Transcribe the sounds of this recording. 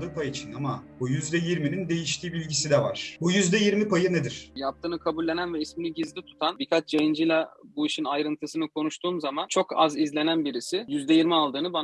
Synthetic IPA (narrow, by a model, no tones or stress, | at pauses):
d̪ɯːpʰajit͡ʃʰinamabujyzd̪ɛjiɾminind̪e̞jiʃt̪ʰiːbilʲɟisid̪ɛvaɾ̥bujyzd̪ɛjiɾmipʰajɯned̪iɾ̥jap̚t̪ʰɯːnɯkʰabulʲːenænvɛisminiɟizlʲit̪ʰu̥t̪ʰanbikʰat͡ʃd͡ʒejind͡ʒilʲabuiʃinajɾɯnt̪ʰɯsɯnɯkʰo̞nuʃt̪ʰuːmzamant͡ʃʰo̞kʰa̰zizlʲe̞nænbiɾisɪjyzd̪ɛjiɾmialˠd̪ɯːnɯban